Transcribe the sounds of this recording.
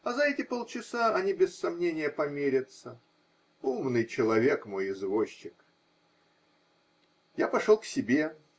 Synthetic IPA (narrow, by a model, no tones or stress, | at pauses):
ɐzɐɛtʲɪpolˠt͡ɕɪsaɐnʲibʲɪsːɐmnʲenʲɪjəpɐmʲeɾʲɪt̪sə | umnɨjt͡ɕɪlˠɐvʲe̞kmo̞jɪzvoɕːɪk | japɐʂolˠksʲɪbʲe̞